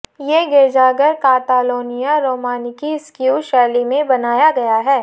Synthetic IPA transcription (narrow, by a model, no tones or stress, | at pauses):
jeɡeːd͡ʒaːɡəɾkaːt̪aːloːnijaɾoːmaːnikiɪskjuːʃɛːlimẽbɐnaːjaɡɐjaɦɛː